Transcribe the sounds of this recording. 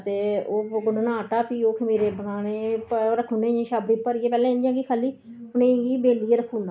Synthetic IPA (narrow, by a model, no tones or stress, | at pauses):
t̪eːoːɡʊnnaːʈaːpiːoːkʰəmiːɾeːbənaːneːpːɾəkʰːũːnẽːẽːʃaːbɾiːpəɾiːeːpɛːlẽːɪnd͡ʒjãːɡiːkʰaːliː | ʊnẽːɡiːbeːliːeːɾəkʰːũːnd̪a